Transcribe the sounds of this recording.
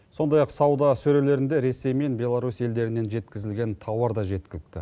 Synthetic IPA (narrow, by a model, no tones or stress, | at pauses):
so̞nd̪ɑjɑqsɑwd̪ɑsɵɾele̞ɾɪnd̪e̞ɾe̞se̞jme̞nbʲje̞lˠaɾusje̞ld̪e̞ɾɪnːe̞nʒe̞t̪kʲɪzɪlɡʲe̞nt̪ʰɑwɑɾd̪ɑʒe̞t̪̚kʲɪlɪk̚t̪ɪ̰